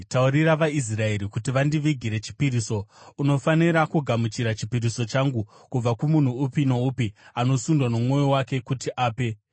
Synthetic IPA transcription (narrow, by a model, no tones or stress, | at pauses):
tauɾiraʋais̬rae̞ɾikutiʋandiʋiɡʱiɾe̞t͡ʃi̥piɾiso̞uno̞faniɾakuɡʱamut͡ʃiɾat͡ʃi̥piɾiso̞t͡ʃaŋɡu | kub͡vakumun̤uːpinoupiano̞sundwanomwo̞jowake̞kutiʔaːpe̞